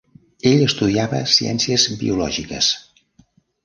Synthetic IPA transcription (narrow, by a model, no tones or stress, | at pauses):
eʎəst̪uðiaβə̰siɛ̰nsiəzbḭulɔʒikə̰s